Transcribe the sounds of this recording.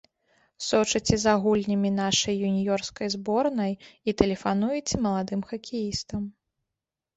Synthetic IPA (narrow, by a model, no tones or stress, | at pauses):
sɔt͡ʂɐt͡sʲɛzaɣulʲnʲɐmʲinaʂɐjːunʲijɔrskɐjzbɔrnɐjit̪ɛlʲɛfan̪ujɛt͡sʲɛmɐlˠad̪ɨmxɐkʲijist̪ɐm